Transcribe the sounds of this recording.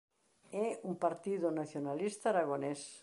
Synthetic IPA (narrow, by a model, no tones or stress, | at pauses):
ɛumpaɾt̪iðonaθjonalist̪aːɾaɣones